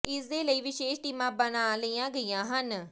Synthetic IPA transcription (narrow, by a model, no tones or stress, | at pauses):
ɪsd̪eːləiːʋɪʃeːʃʈiːmãːbənaːləiːãːɡəijãːɦən